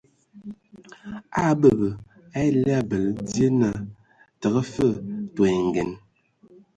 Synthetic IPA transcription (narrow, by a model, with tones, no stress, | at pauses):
a˦bə˨bə˨ | a˦e˦lɛ˦a˦˨bə˨lə˨d͡zje˦na˦˨ | tə˨ɣə˦fə˦˨to˨e˨ŋ˨ɡɛ˨n